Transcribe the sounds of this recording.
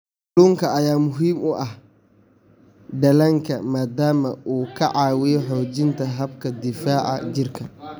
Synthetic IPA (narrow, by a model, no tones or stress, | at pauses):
luːŋkʰɐɐjaːmʊɦiːmʊʔɐh | ɖɐlɐŋkʰɐmaːd̪aːmɐʔuːkʰɐʔɑːwɪjɔħɔːd͡ʒɪnt̪ʰɐɦɐbkʰɐd̪ɪfaːʔɐ̰d͡ʒɪrkʰɐ